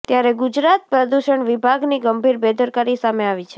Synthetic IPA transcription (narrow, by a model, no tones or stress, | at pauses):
t̪jaɾeɡud͡ʒɾat̪̚pɾəd̪uʃəɳʋibʱaɡniɡəmbʱiɾbed̪əɾkaɾisameaʋit͡ʃʰe̥